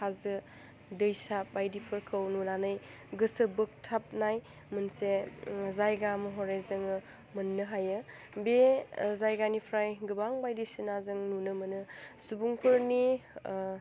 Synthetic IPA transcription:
kazɯ | dɯjsabajdipʰɯɾkʰɯwnunanɯj | ɡɯsɯbɯk̚tʰap̚naj | mɯnsezajɡamɯɦɔɾajzɯŋɯ | mɯnːɯɦajɯ | bezajɡanipʰɾajɡɯbaŋbajdisinazɯŋnunɯmɯnɯsubuŋpʰɯɾni

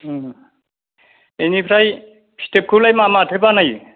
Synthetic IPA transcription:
enipʰɾaj | pʰi̥tep̚kʰulajmamatʰɯbanaj

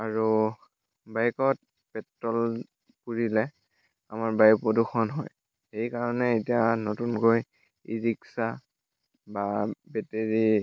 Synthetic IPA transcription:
aɹu | bajkɔt̚ | pɛtɹɔl | puɹilɛ | a̰maɹbajpoduxɔnɦɔj | xejkaɹɔnɛːtijanotunkoj | ḭɹiksa | babɛteɹi

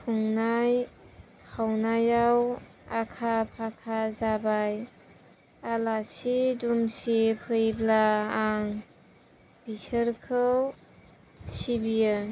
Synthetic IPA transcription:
kʰuŋnajkʰawnajaw | akʰapʰakʰazabaj | alasidumsipʰɯjblaːŋ | bisəɾkʰɯw | sibijɯ

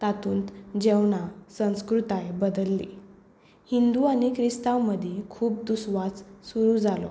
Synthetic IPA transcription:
t̪at̪ʰuːnt̪d͡ʑewɳasə̃w̃skɾut̪ajbəd̪əlːi | hind̪uanikʰɾist̪awməd̪ʱjekʰuːp̚d̪usʋat͡ssuɾuːd͡zalɔ̰

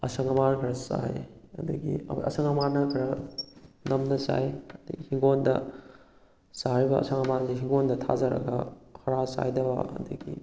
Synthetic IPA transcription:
ɐsɐŋɐmankʰɐɾɐsa̰jɐduɡiɐ̰ɐ̰sɐŋɐmanɐkʰɐɾɐ | nɐmnɐsa̰jɐd̥ɐɡihiŋɡondɐ̰ | saɾibɐɐ̰sɐŋɐmanseɦiŋɡondɐtʰa̰d͡ʒɐɾɐ̰ɡɐkʰɐɾasa̰jdɐbɐ̰ɐ̰duɡḭ

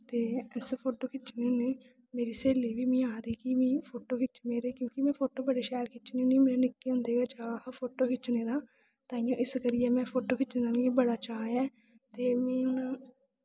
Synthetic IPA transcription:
t̪eːɛspʰoːʈoːkʰɪt͡ʃneːneː | meːɾiːseːliːʋiːmĩːaːd̪iːkimĩːpʰoːʈoːkɪt͡ʃmeːɾeːkjõːkimɛ̃ːpʰoːʈoːbəɽeːʃɛːɖkʰɪt͡ʃniõːnĩmeːɾeːnɪkːiːɦʊ̃ːnd̪eːɡaːt͡ʃaːpʰoːʈoːkʰɪt͡ʃnẽːd̪aː | t̪ãːɪjõːʔɪskəɾɪɛːmɛ̃ːpʰoːʈoːkɪt͡ʃned̪anɡiːbəɽaːt͡ʃaːjɛː | t̪eːmɛ̃ːʊnaː

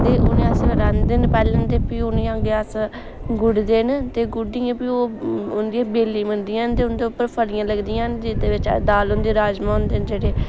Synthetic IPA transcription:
t̪eːʔʊnẽːəsɾãːnd̪eːnpɛːlənt̪eːpiːʊnẽːãːɡeːəs | ɡʊɖd̪eːnt̪eːɡʊɖiːãːpiːoːʊnd̪iãːbeːliːmənd̪ijãːnt̪eːʊnd̪eːʊpːəɾpʰəlɪjãːləɡd̪ijãːnd͡ʒɪd̪eːʋɪt͡ʃd̪aːlʊnd̪iːɾaːd͡ʒmãːʊnd̪eːnd͡ʒeːɽeː

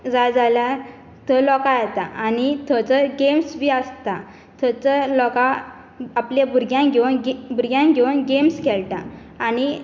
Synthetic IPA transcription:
d͡zajd͡zalja | t̪əlɔkajɛt̪aʔanit̪ʰət͡səɡemsʋiəst̪a | t̪ʰət͡səlɔka | apljabuɾɡjãŋɡʱɛnɡbuɾɡjãŋɡʱɛnɡemskɛlʈa̰ː | ñi

